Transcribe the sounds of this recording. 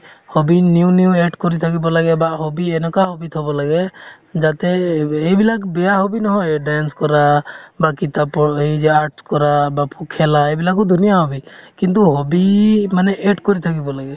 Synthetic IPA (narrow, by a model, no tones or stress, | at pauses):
hɔbinjuniuɛʈkɔɾit̪ʰakibɔlaɡɛbaʔhɔbiɛnɔkaɦɔbit̪ʰɔbɔlaɡɛ | d͡ʒat̪ɛːjbilakbɛjaɦɔbinɔɦɔ̃ɛɖanskɔɾabakit̪apɔed͡ʒɛaɾʈskɔɾabapʰukʰːɛlaɛbilak̬ud̪unijaɦɔbikint̪̬uɦɔbimanɛʔɛʈkɔɾit̪ʰakibɔlaɡɛ